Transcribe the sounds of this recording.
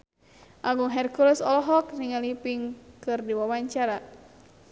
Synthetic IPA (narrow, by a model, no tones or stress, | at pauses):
ʔaɡuŋɦɛrkulɛsɔlɔɦɔkniŋalipiŋkɨrdiwawaɲt͡ʃaɾa